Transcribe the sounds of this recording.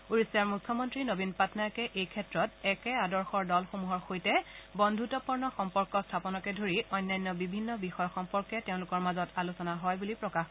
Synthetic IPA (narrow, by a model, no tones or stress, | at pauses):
uɹisjaɹmukʰːɔmɔntɹinobinpatnajkɛʔejkʰɛtɹɔtɛkɛadɔɹxɔɹdɔlxomuɦɔɹxojtɛbɔndʱutɔpɔɹnɔxɔmpɔɹkɔstʰapɔnɔkɛdʱoɹiɔjnːajnːɔbibʱinːɔbixɔjɔxɔmpɔɹkɛteʊ̃lʊkɔɹmazɔtalusɔnaɦɔjbulipɹɔkax